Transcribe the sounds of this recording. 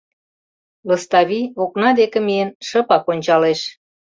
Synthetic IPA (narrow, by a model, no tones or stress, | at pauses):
ləst̪ɑβioknɑd̪ekĕmienʃə̆pɑkonʲt͡ɕɑleʃ